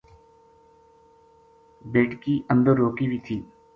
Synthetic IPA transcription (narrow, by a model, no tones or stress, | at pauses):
beːʈkiːʔə̃nd̪əɾːoːkiːʋiːt̪ʰiː